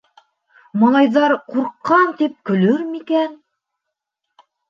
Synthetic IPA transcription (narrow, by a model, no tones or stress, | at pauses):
mɑlˠɑjðɑɾquɾqːɑnt̪ip̚kɵ̆lɵɾmikæn